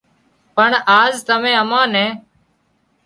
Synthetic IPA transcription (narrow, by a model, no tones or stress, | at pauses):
pəɳaːzt̪əmẽːəmãːnɛ̃ː